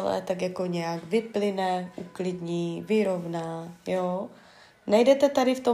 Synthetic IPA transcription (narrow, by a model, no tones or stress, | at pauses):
lɛ̰t̪akjakoɲɛjaɡvɪplɪnɛʔuklɪdɲiːvɪɾo̞vnaːjo | najdɛt̪ɛt̪adɪft̪o